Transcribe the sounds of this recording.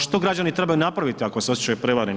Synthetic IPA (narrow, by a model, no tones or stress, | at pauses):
ʃt̪o̞ɡɾad͡ʑanit̪ɾe̞bajunapɾaʋit̪iako̞seo̞sjet͡ɕajupɾe̞ʋaːɾen